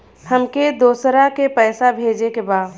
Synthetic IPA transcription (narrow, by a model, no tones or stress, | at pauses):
həmked̪oːsɾakepɛːsabʱeːd͡ʒekebaːd̪